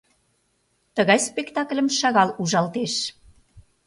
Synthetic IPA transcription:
t̪əɣɑjspekt̪ɑklʲəmʃɑɣɑluʒɑlt̪eʃ

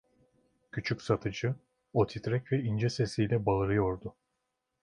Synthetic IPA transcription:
cʰyt͡ʃʰycʲsat̪ʰɯd͡ʒɯ | ot̪ʰit̪ɾɛcvɛind͡ʒɛsesijlʲɛbalˠɯɾɯjo̞ɾd̪ʊ

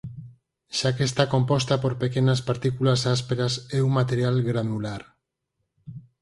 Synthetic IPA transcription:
ʃakest̪ako̞mpost̪apoɾpekenaspaɾt̪ikulasaspeɾaseumːat̪eɾjalɡɾanulaɾ

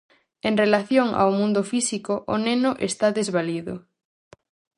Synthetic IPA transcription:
eŋrelaθjoŋa̰wmũnd̪ʊfisikoʔonenʊʔest̪aðezβaliðʊ̰

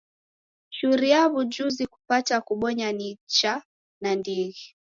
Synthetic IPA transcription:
ʃuɾiaβud͡ʒuziku̥patakuɓɔɲanit͡ʃa | nandiɣi

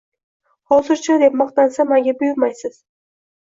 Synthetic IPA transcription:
hɒzɪɾt͡ʃʰad̪e̞p̚mɒqt̪ansamaŋɡʲabʊjʊɾmajsɪz̥

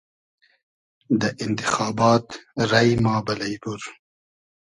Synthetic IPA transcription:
d̪əʔɪnt̪ɪ̥xɑːbɑːt̪ɾajmɑːbalajbuɾ

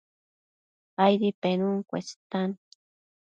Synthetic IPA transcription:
ajɾipenuŋkʷḛst̪an

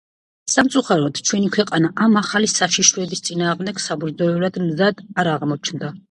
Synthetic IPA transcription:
samt̪sʼuχaɾɔd̪̥t͡ʃʰwɛnikʰwɛqʼanaʔamaχalisaʃiʃɾɛbist̪sʼinaːʁmd̪ɛɡsabuɾzɔɛlad̪mzad̪̥aɾaʁmɔt͡ʃʰnd̪a

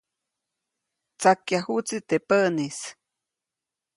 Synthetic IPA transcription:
t͡sakjahut͡sit̪epəʔnis

